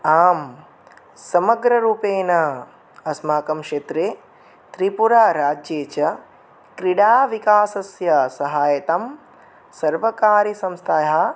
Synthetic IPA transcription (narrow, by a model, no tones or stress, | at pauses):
aːm | sɐmɐɡɾɐɾuːpeːnɐ | ɐsmaːkɐmkʃeːt̪ɾeː | t̪ɾipuɾaːɾaːd͡ʒjeːt͡ʃɐ | kɾiɽaːʋikaːsɐsjɐsɐɦaːjɐt̪ɐm | sɐɾʋɐkaːɾisɐmst̪ʰaːja